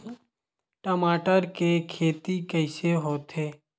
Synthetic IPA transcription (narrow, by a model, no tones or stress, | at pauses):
ʈəmaːʈəɾkekʰeːt̪ikəɪseɦoːt̪ɦeː